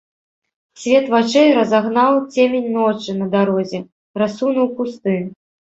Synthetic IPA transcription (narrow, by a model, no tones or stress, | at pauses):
sʲvʲɛt̪vat͡ʂɛjɾɐzaɣnawt͡sʲemʲenʲnɔt͡ʂɨnɐd̪aɾɔzʲɛ | rasunuwkust̪ɨ